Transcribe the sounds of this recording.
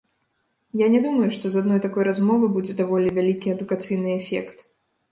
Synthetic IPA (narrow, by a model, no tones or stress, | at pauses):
janʲɛd̪umɐjuʂt̪ɔzad̪nɔjt̪akɔjɾazmɔvɨbud͡zʲɛd̪avɔlʲivʲalʲikʲiɐd̪ukat̪sɨjnɨɛfʲɛ̰kt̪